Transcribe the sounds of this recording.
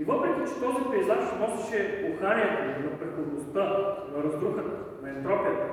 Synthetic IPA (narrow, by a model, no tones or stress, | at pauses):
ivɔpɾɛkʲit͡ʃɛ̥t̪ɔzipɛizaʃsɛnɔsɛʃɛoxaɾʲiət̪ɐnɐpɾɛxovnost̪a | ɾɐzd̪ɾuxət̪ɐ | nɐɛnt̪ɾɔpiət̪